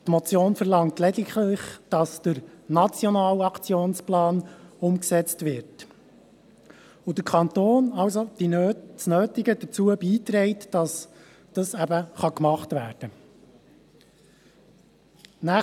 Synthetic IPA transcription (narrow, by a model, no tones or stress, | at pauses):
tmɔt͡sjoːnfəɾlɑŋtlɛdɪklɪχd̥ɑsd̥əɾnɑt͡sjɔnɑːlɑkt͡sjoːnsplɑːnʊmksɛt͡stvɪɾt | ud̥əɾkʰɑnt̪oːnɑwsod̥isnøːtɪɡədət͡suəbiːtɾɛɪtːɑs | d̥ɑsæbəχɑkmɑχtvæːɾd̥ə | næ